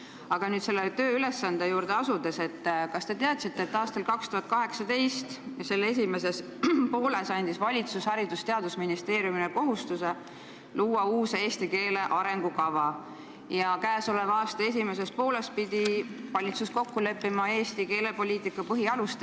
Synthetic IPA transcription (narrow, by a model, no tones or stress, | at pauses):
ɑɡ̥ɑnyːd̪t̪se̞lːet̪øːylesːɑnd̪ejuːɾd̪̥eɑsud̪e̞se̞t̪ːkɑst̪e̞t̪e̞ɑt̪sit̪ːe̞ːt̪ːɑːst̪ɑlkɑkst̪uɦɑt̪kɑɦe̞ksɑd̪e̞jst̪se̞lːes̬ʲime̞s̬e̞s | po̞ːle̞sɑnʲd̪̥isvɑlʲit̪sushɑɾid̪̥ust̪e̞ɑd̪̥usminist̪e̞ːɾjumineko̞ɦust̪use̞ | luːɑuːseːst̪ike̞ːle̞ʔɑɾe̞ŋɡ̥ukɑvɑ | jɑkæːso̞levɑɑːst̪ɑe̞s̬ime̞s̬e̞s̚po̞ːle̞s̚pid̪ivɑlʲit̪susko̞kːule̞pːimɑe̞ːst̪ike̞ːle̞po̞lʲiːt̪ˑikːˑɑpɤɦiɑlust̪